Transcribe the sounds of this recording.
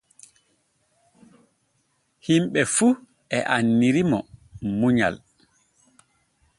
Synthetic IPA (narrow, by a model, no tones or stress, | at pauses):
himɓɛfu | ʔɛʔanːiɾimɔmuɲa̰l